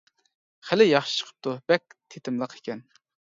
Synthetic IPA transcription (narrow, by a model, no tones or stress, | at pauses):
χælɪjɑχʃɨ̥ʃʰə̥qʰə̥p̚t̪ʰubɛk̚ʲt̪ʰet̪ʰɪmlˠəqʰe̥kʲʰɛn